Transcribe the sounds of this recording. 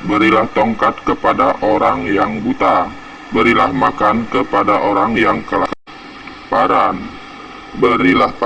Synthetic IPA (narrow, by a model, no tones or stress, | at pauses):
bəɾilaht̪ɔŋkat̪̚kəpadaʔoɾaŋjaŋbut̪a | bəɾilahmakankəpadaʔoɾaŋjaŋkəlak | paɾan | bəɾilahp